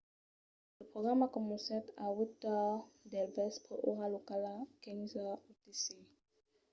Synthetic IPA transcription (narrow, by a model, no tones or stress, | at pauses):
ləpχoɡʁamakɔmusɛt̪awut̪ɔd̪ɛlvɛspʰəʔoʁalokalakɛŋzautese